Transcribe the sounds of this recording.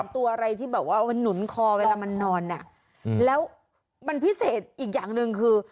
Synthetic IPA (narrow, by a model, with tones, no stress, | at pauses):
p̚t̪u˧ɐʔa˧ɾa˧jt̪ʰiː˥˩bɛː˨˩p̚waː˥˩ma˧nːu˩˦nkʰɔː˧we˧laː˧ma˧nːɔː˧nːa˨˩ʔ | lɛː˦˥w | ma˧npʰi˦˥seː˨˩t̪̚ʔiː˨˩k̬̚jaː˨˩ŋnɯ˧ŋkʰɯː˧